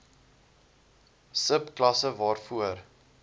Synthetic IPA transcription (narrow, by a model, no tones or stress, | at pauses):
səpklɐsəvɑːrfuər